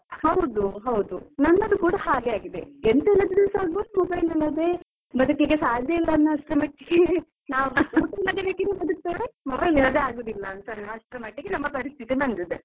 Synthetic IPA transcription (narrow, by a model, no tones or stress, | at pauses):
hɐwd̪uɦɐwd̪unɐnːɐd̪ukuːɽaɦaːɡeaːɡid̪eent̪ɛlːɐd̪ud̪iʋɐsaːɡbud̪umobɐjlɐlːɐd̪e | bɐd̪ukːiɡesaːd̪jɐilːɐːnːɐɐʂʈɾemɐʈːiɡe | naːʋɐɐlːɐd̪ebeːkinubɐd̪uk̚t̪aːɽemobɐjlɛlɐd̪eaːɡoːd̪ilːɐːnt̪ɐnɐɐʂʈɾemɐʈːiɡenɐmːɐpɐɾist̪ʰit̪inɐnd̪id̪e